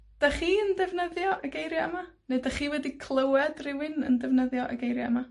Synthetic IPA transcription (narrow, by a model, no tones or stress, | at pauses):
d̥aχiːəndɛvnəðjɔʔəɡejɾjɔɛma | nedaχiːwɛdikʰlˠəwɛdrɪwɨnə̰ndɛvnəðjɔʔa̰ɡejɾjɔɛma